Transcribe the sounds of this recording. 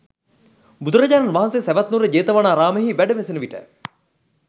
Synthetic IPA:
bud̪uɾɐɟaːɾɐnʋaɦɐnsesæʋɐt̪nuɾəd͡ʑeːt̪ɐʋanaːɾaːməɦiːʋæɖəʋesenəʋiʈə̰

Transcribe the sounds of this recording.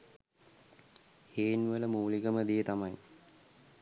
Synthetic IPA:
heːnʋələmuːliɡəməd̪ijət̪amaj

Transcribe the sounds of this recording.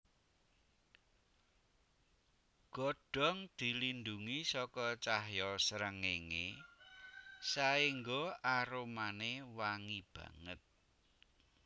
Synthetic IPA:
ɡ̥ɔ̤ɖ̥ɔ̤ŋd̪̥i̤lind̪uŋisɔkɔt͡ʃaɦjɔsəɾəŋeŋe | saiŋɡoaɾomanewaŋib̥ä̤̰ŋət̪̚

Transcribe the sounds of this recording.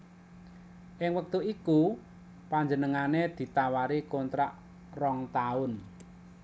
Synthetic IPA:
ʔɪŋwək̚t̪uiku | paɲd͡ʒənəŋaned̪̥i̤t̪awaɾikɔnt̪ɾaʔ | rɔŋt̪aʊn

